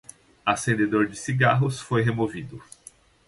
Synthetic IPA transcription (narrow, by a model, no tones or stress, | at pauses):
asẽnd̪ed̪oɾd͡ʒɪsiɡaɦʊsfojɦemovid̪ʊ